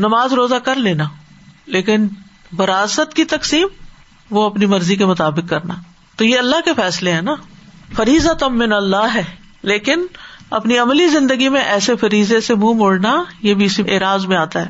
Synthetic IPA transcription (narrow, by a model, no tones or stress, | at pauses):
nɐmaːzɾoːzakɐɾleːnaːleːkɪn | bɐɾaːsət̪kit̪ɐksiːm | ʋoɐpnimɐɾzik̬emʊt̪aːbɪkːɐɾnaː | t̪ojeɐlːaɦkefɛːsleɦɛ̃ːnafɐɾiːzat̪ɐmːɪnɐlːaːɦɛː | leːkɪnɐ̰pniɐmlizɪ̃nd̪əɡimẽʔɛːsefɐɾiːzesemũːmʊːɽnajebʱiɪsiʔeːɾaːzmẽaːt̪aɦɛː